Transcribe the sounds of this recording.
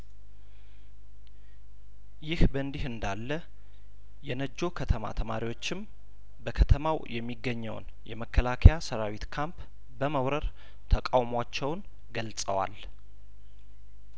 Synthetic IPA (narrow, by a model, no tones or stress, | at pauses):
jɪhbənd̪ihɨnd̪alːə | jɛnəd͡ʒːo̞kʰət̪ʰəma̰t̪ʰəmaɾiwo̞t͡ʃːɪm | bəkʰət̪ʰəmawjʔɛmːiɡːəɲːəwn | jɛməkːəlakʰəjasəɾawit̪kʰamp | bəməwɾəɾ | t̪ʰəkʼawmwat͡ʃːɛwn | ɡəlsʼə̰wa̰l